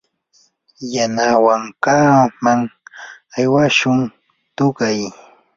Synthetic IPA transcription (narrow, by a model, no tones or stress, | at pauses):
janawaŋkaːmaŋ | ajwaʃʊŋ | t̪ʊɢaj